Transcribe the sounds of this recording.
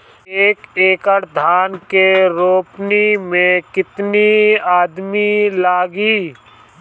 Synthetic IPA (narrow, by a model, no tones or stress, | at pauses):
eːkeːkəʈd̪ʱaːnkeɾoːpnimẽkɪt̪niaːd̪milaːɡiː